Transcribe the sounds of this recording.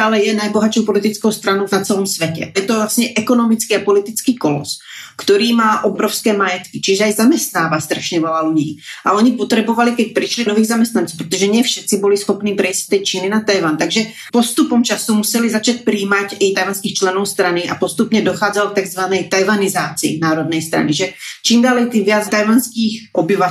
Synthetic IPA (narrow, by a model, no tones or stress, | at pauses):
t̪aːlɛjɛnajbɔɦat͡ʃopɔlit̪it͡skoʊst̪ɾanɔʊvnat͡sɛlɔmsʋɛcɛ̰jɛt̪ɔvlasɲɛʔɛkɔnɔmit͡skiapɔlit̪it͡skiːkɔlɔ̰s | kt̪ɔɾiːmaːʔɔbɾɔʊskɛːmajɛt̪kit͡ʃiʒɛajzamɛst̪naːʋast̪ɾaʃɲɛʋɛlaluɲiːʔa̰ɔɲipɔt̪ɾɛbɔʋalikɛc̚pɾiʃlinɔʋiːɣzamɛst̪nant͡sːpɾɛt̪ɔʒɛɲɪɛfʃɛt̪t͡sibɔlisxɔpniːpɾɛiːsct̪ːɛjt͡ʃininat̪ajʋant̪aɡʒɛ | pɔst̪upɔmt͡ʃasumusɛlizat͡ʃac̚pɾiːmacat̪ajʋanskiːxt͡ʃlɛnɔʊst̪ɾania̰pɔst̪upɲɛd̪ɔxaːd͡zalkt̪aɡzʋanɛjt̪ajʋanizaːt͡sḭːnaːɾɔd̪̚nɛjst̪ɾa̰niʒɛt͡ʃiːmd̪alɛjt̪iʋɪad͡zt̪ajʋanskiːxʔɔbiʋa